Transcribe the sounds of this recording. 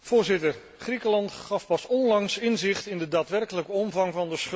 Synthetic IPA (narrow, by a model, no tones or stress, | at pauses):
v̥ʊːɹzɪtər | χrikəlɑntχɑfpɑsɔnlɑŋsɪnzɪχtɪndədaːtʋɛrkələkəɔmvɑŋvɑndəsχ